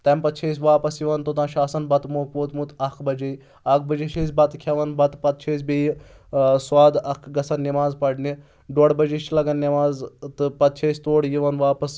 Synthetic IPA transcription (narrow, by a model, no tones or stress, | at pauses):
t̪ɐmpɐt̪̚t͡ʃʰeːsʲʋaːpɐsjiʋɐnt̪ot̪ãːʃaːsɐnbɐt̪moːkpoːt̪muːt̪ɐkʰbɐd͡ʒij | ɐk̚ʰbɐd͡ʒiʃeːsʲbɐt̪kʰɐʋɐnbɐt̪pɐt̪̚t͡ʃʰeːsʲbi | sʋaːd̪ɐkʰɡɐsɐnːimaːzpɐʈni | ɖoːɽbɐd͡ʒiʃlɐɡɐnːɐmaːzt̪ɨpɐt̪̚t͡ʃʰeːsʲt̪oːɽjiʋɐnʋaːpɐs